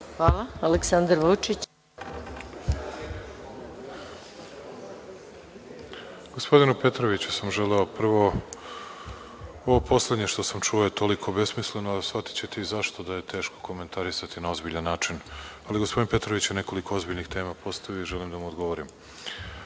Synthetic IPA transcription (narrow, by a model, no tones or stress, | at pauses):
xʋaːlˠaaleksand̪ɾʋut͡ʃit͡ɕ | ɡospo̞d̪inupe̞t̪ɾo̞ʋit͡ɕu̥samʒe̞leo̞pr̩ʋo̞ | oʋopo̞sle̞d̪ɲe̞ʃt̪o̞samt͡ʃuojet̪o̞likʰo̞be̞smisle̞noasfat̪i̥t͡ɕe̞t̪eizaʃt̪o̞d̪aje̞t̪e̞ːʃko̞̥ko̞me̞nt̪ʰaɾisat̪inao̞zbiʎanːaːt͡ʃinaliɡo̞spd̪inpe̞t̪ɾo̞ʋit͡ɕjene̞ko̞likoozbiʎnixt̪e̞ːmapo̞st̪ajijoiʒe̞limd̪amuod̪ɡo̞ʋoɾim